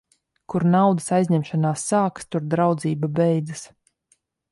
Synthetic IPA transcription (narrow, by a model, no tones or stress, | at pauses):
kuɾnawd̪ɨsajzʲɲɛmʃanaːsːaːkst̪uɾd̪ɾawd̪ziːbabɛjd̪zɨs